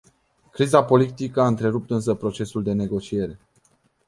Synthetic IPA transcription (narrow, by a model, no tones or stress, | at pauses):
kɾizapo̞lit̪ikəaɨnt̪ɾe̞ɾup̚t̪ɨns̬əpɾo̞t͡ʃe̞suld̪e̞ne̞ɡo̞t͡ʃie̞ɾe̞